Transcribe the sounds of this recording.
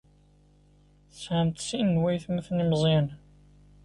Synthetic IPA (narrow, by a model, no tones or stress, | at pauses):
θəsʕəmt̪sinːwæjθmæθnimzˤæn